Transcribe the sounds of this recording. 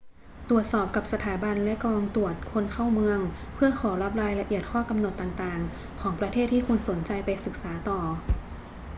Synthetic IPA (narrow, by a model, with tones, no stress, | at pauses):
t̪u˨˩ət̪̚sɔː˨˩p̚ka˨˩p̚sa˧t̪ʰaː˩˦ba˧nlɛ˦˥kɔː˧ŋt̪u˨˩ət̪̚kʰo˧nkʰa˥˩wmɯ˧əŋ | pʰɯ˥˩ɐkʰɔː˩˦ɾa˦˥p̬̚ɾaː˧jla˧ʔi˨˩ət̪̚kʰɔː˥˩ka˧mno˨˩t̪ːaː˨˩ŋt̪aː˨˩ŋ | kʰɔː˩˦ŋpɾa˧t̪ʰeː˥˩t̪ʰːiː˥˩kʰu˧nso˩˦nt͡ɕa˧jpa˧jsɯ˨˩k̚saː˩˦t̪ɔː˨˩